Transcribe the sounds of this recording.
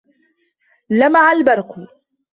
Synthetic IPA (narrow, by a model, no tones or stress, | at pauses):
lamaʕalbɑɾˤqʊ